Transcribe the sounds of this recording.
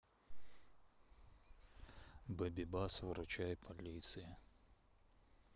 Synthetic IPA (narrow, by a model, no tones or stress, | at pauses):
bɛbʲɪbasvɾʊt͡ʃajpʰɐlʲit̪sɨjɪ